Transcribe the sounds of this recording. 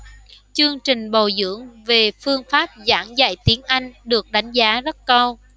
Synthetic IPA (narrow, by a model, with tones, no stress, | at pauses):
t͡ɕɨ˧əŋt͡ɕï˨˩ŋ̟ɓo˨˩zɨ̰˧˥əŋve˨˩fɨ˧əŋfaː˦˥p̚za̰ː˧˩ŋza̰˧˨jt̪i˨˦ənʔa˧jŋ̟ɗɨ˨˩ək̚ɗa˨˦jŋ̟zaː˨˦zə˦˥t̚kə˧w